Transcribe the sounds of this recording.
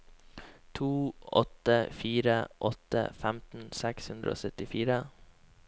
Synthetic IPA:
t̪ʰuːɔ̰t̪əfiːɾəʔɔt̪ə̰fæmt̪n̩sækshʉnd̪ɾəʔo̰ːsœt̪ɪfiːɾə

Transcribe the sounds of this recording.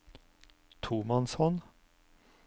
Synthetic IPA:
t̪ʰumɑnshɔn

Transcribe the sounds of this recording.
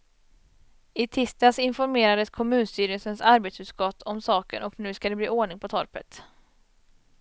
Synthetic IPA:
ɪt̪ʰɪst̪asɪnfɔɾmeːɾad̪əskʰɔmʉ̟ːnst̪yːɾəsənsaɾbet̪sʉt̪skɔt̪ʰːɔmsɑːkə̰nʔɔknʉ̟ːskad̪ɛblḭːoːɳɪŋpʰɔt̪ʰɔɾpə̰t̪

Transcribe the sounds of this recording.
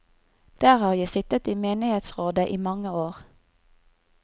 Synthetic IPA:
d̪̥æːʁhɑːʁjæɪsɪt̪ət̪iːmeːnɪheːt̪sʁoːd̪əʔiːmɑŋəoːʁ

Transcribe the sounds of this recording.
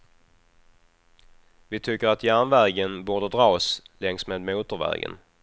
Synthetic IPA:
vɪt̪ʰʏkːəɾat̪jænvæɾɡənbuːɖ̪əd̪ɾɑːslɛŋsmeːd̪muːt̪ʊɾvæ̰ɾɡə̰n

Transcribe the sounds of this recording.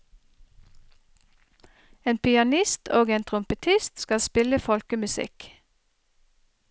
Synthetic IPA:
eːnpʰɪɑnɪst̪ʰoːɡeːnt̪ʰʁʊmpət̪ʰɪst̪skɑspɪləfɔlkəmʉsɪ̰k

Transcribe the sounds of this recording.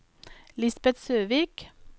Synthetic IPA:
lɪsbɛt̪søːʋiːk

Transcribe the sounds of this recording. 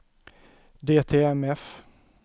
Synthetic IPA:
d̪eːt̪ʰeːɛmɛf

